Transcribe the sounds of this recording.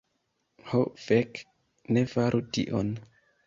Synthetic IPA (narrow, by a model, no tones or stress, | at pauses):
hofek | nefaɾʔutḭʔo̰n